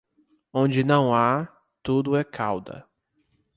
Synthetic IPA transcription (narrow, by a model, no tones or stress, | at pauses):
õd͡ʒɪnɐ̃w̃a | t̪ud̪ʊɛkʰawd̪ɐ̰